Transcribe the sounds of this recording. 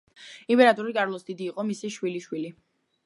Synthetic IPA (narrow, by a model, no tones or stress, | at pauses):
impʼɛɾat̪ʼɔɾikʼaɾlˠɔsd̪id̪iːqʼɔmisiʃwiliʃwili